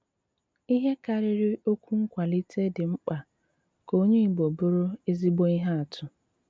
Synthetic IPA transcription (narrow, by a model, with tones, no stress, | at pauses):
i˦ɦe˦ka˨ɾɪ˦ɾɪ˦o˦kʷu˦ŋ̩˦kʷa˨li˦tʰe˦dɪ˨ŋ͡m̩˦k͡pa˨ | ko˦o˦ɲe˦i˨ɡ͡bo˨bo˦ɾo˦e˦zi˦ɡ͡bo˦i˦ɦa˦a˨tʰʊ˨